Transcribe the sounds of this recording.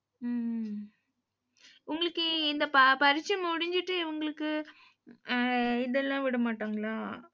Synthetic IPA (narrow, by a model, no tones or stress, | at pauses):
ʊŋɡɐɭɯkːɯɪnd̪ɐpɐpɐɾɪt͡ʃːɐmʊɽɪɲd͡ʒɪʈːɯɪʋɐŋɡɐɭɯkːɯ | ɪðɛlːãːʋɪɽɐmaːʈːaːŋɡɐɭaː